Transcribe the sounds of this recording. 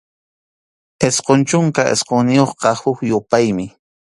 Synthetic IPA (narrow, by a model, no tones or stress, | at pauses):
esqont͡ʃʊŋkaʔḛsqoŋnɪjoχqɑhʊkjʊpajmɪ